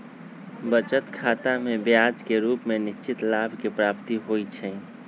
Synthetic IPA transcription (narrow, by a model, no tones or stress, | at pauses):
bət͡ʃət̪kʰaːt̪amebjad͡ʒkeɾuːpmenɪʃt͡ʃit̪labʱkepɾapt̪iɦojt͡ʃʰɛ̃